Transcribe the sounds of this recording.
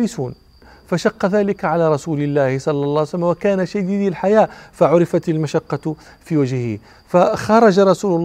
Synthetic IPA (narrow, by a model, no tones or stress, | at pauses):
lɪsuːn | faʃɑqːɑðæːlɪkaʕalaːɾˤɑsuːlɪlːaːhɪsˤɑlːɑlˤːɑːʕslːmwakæːnaʃad̪iːd̪ilħajaːfaʕʊɾɪfat̪almaʃɑqːɑ | fiːwaʒhhḭ | faxɑɾˤɑd͡ʒaɾˤɑsuːlʊlː